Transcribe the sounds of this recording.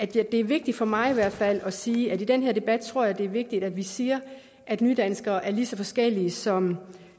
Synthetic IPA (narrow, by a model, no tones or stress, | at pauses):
æd̥jd̥e̝æɐʋe̝ɡ̥̚d̥id̥fɒ̽mɑ̈ɪiʋæɐ̰d̥fæl̰ɒ̽siːædid̥enɦeɐd̥e̝b̥æd̥̚t͡sʰʁo̝ɐ̰jɑɪd̥e̝æɐʋe̝ɡ̥̚d̥id̥æd̥ʋisiːɐ | ʔæd̥nyːd̥ænsɡ̥ɐːʔæɐlisɒ̽fɒ̽sɡ̥el̰iəsɒ̽m